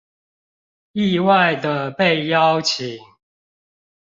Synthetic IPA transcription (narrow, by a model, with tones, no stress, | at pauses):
i˥˧˨wa˥˨ɪd̪ə˨pe˥˨ɪjɑ˦ʊt͡ɕʰi˨˦ŋŋ